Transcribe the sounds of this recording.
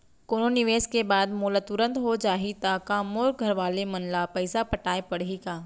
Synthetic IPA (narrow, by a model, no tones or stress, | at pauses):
koːnonɪʋeːskebaːd̪moːlət̪ʊɾə̃nt̪ɦod͡ʒaːɦit̪aːkaːmoːɾɡʱɐɾʋaːlemɐnlapɐɪsapɐʈaːepɐɽɦikaː